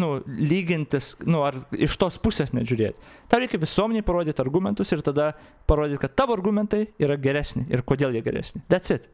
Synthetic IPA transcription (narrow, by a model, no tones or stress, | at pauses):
nʊlʲiːɡʲɪnʲt̪ʲɪsnʊɐrɪʃt̪oːspʊsʲeːsnʲɛʒʲʊɾʲeːt̪ʲt̪ɑːʊɛɪkʲɛʋʲɪsuɔmʲɛnʲeɪpɐɾoːdʲɪːt̪ʲɐrɡumʲɛnt̪ʊsɪrt̪ɐd̪ɐ | pɐɾoːd̪ʲɪːt̪ʲkɐt̪t̪ɑːʋoːɐrɡumʲɛnt̪ɐɪiːɾɐɡʲɛɾʲæːsʲnʲɪɪɾkoːd̪ʲeːlˠjiɛɡʲɛ̰ɾʲæ̰ːsʲnʲɪd̪ʲɛt̪sʲɪt̪